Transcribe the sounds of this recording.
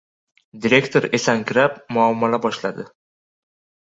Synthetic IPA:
d̪iɾe̞kt̪ʰoɾe̞saŋkʲʰɪɾapmʊamːalabɒʃlad̪ɪ

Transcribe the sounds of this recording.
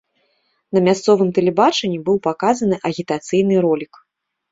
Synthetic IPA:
nɐmʲast̪sɔvɨmt̪ɛlʲɛbat͡ʂɐnʲːibɨwpakazɐnɨʔɐɣʲit̪at̪sɨjnɨɾɔlʲik

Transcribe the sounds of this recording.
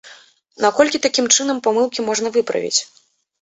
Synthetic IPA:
nakɔlʲkʲit̪akʲimt͡ʂɨnɐmpamɨlˠkʲimɔʐnɐvɨpɾɐ̰vʲḭt͡sʲ

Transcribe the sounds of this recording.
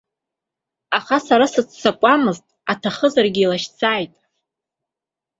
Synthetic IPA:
aχasaɾasɨt͡sʰːakʷʼamɨztʼatʰaχəzarɡʲɪilaʃt͡sʰaːjtʼ

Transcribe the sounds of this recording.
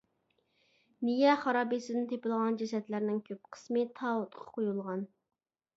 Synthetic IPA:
nijɛχɑɾɑːbisɪd̪ɪnt̪ʰepɪlˠʁɑnd͡ʒɛsɛt̪læɾnɪŋkʲʰøp̚qʰə̥smɨt̪ʰɑːwʊt̪qʰɑ̥qʰojulˠʁɑn

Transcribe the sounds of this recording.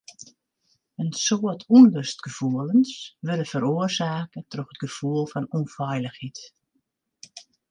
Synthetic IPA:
ənsoətʰundərstɡ̥əfuələnsʋəɾəfəɾoərsaːkətroxət̚ɡ̥əv̥uəlˠfɔnunfɛjləxhit

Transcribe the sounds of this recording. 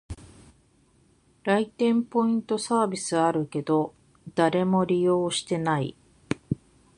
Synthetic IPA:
ɾait̪ẽ̞mpo̞ĩnt̪o̞saːbʲisɨaɾɯ̟ke̞d̪o̞ | d̪̥aɾe̞mo̞ɾʲijo̞ːɕi̥t̪e̞naḭ

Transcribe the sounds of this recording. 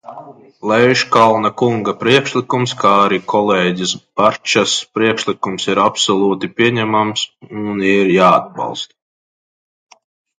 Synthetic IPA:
lɛviʃkalˠnakuŋɡapɾiɛkʃlˠikumskaaɾikɔlˠeːɟʲisb̥aɾt͡ʃaspɾiɛkʃlˠikumsiɾapsɔlˠuːt̪ipʲiɛɲæmamsuniɾjaːad̪̚bɑ̰lˠst̪

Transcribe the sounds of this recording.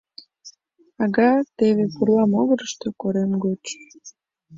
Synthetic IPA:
ɑɣɑt̪eβepurlɑmoɣəɾəʃt̪okoɾemɡot͡ʃ

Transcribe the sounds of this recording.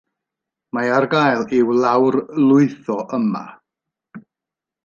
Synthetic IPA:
maarɡajlˠɪwlˠawrlˠʊɨθɔʔəma̰

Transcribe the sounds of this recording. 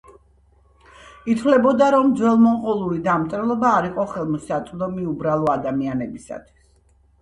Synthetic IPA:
it̪ʰwlɛbɔd̪aɾɔmd̪zwɛlˠmɔnqʼɔlˠulid̪amt̪ʼɾɛlˠɔbaːɾiqʼɔχɛlˠmɔsat̪sʼd̪ɔmiubɾalˠɔad̪amianɛbisa̰t̪ʰwi̥s

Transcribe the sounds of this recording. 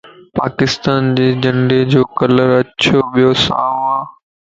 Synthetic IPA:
pa̰ːkɪst̪aːnd͡ʑeːd͡ʑɐ̃ɳɖed͡ʑoːkɐləɾɐt͡ɕʰoʋijosã̰ːãː

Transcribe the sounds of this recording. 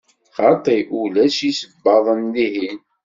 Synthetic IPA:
χɑt̪ˤiʔulæʃisəbːɑðˤənlihin

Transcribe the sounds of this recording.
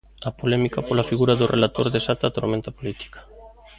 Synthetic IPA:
apolɛmikapolafiɣuɾaðorʔelat̪oɾðesat̪at̪oɾmẽnt̪apolit̪i̥kḁ

